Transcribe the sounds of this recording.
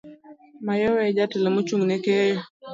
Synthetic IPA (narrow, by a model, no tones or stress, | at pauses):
majɔwɛd͡ʒatɛlɛmut͡ʃuŋnɛkɛjɔ